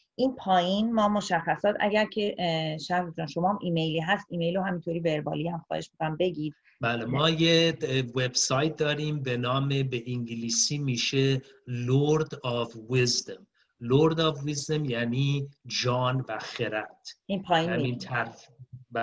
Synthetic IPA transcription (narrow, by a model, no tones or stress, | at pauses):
ʔinpʰɒːjinmɒːmo̞ʃæxːæsɒːt̪ʰæ̰ɟæɾcʰe̞ʃæɾbot̪uænʃo̞mɒːhmʔiːmejliːɦæst̪iːmejloɦæmint̪ʰoɾiːbeɾbɒ̰ːliːhæmxɒ̰ːhe̞ʃmikoæmbe̞ɟiːd̥̪ | bæːlemɒːjewe̞b̥sɒːjt̪̚ʰd̪ɒːɾiːmbenɒːmebeʔiŋɡiliːsiːmiːʃe | loɾd̪ɒvwizd̪om | loɾd̪ɒːvvizd̪omjæniːd͡ʒɒːnvæxeɾæt̪ʰinpʰɒːjinmint̪ʰæɾbæ